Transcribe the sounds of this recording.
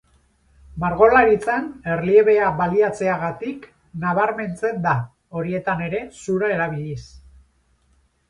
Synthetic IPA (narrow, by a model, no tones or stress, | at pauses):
maɾɣo̞laɾit͡sane̞rlie̞βe̞aβaliat͡se̞aɣat̪ik | naβ̞aɾme̞nt͡se̞nd̪a | o̞ɾie̞t̪ane̞ɾe̞suɾae̞ɾaβiʎis